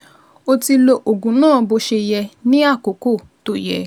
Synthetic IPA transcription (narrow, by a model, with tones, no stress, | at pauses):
o˧ti˧lo˧ʔo˨ɡũ˨˦nãː˦˨bo˧ʃe˧jɛ˧nĩ˦a˦˨ko˨ko˦˨ | to˦jɛ̰˧